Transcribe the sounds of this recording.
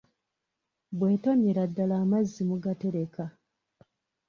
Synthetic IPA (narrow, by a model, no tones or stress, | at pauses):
bwe̞ːto̞ɲeɾadːalaːmazːimuɡate̞ɾe̞ka